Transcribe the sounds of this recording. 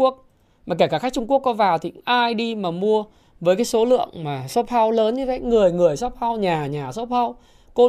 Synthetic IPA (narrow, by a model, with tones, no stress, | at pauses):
u˦˥ək̚ | maː˨˩kaː˧˩kaː˧˩xk̚t͡ɕʊ˧ŋ͡mku˦˥əkːɔ˨˦vaː˨˩wt̪ʰi˨˩ʔʔaː˧jɗi˧maː˨˩mu˧ə | vəː˨˦jk̬aː˨˦so˨˦lɨ̰˧˨əŋmaː˨˩so˦˥p̚fa˧wləː˨˦nɲɨ˧və̰˧˨ŋɨ˨˩əjŋɨ˨˩əjsɔ˦˥p̚ha˧wɲaː˨˩ɲaː˨˩so˦˥p̚ha˧w | ko˧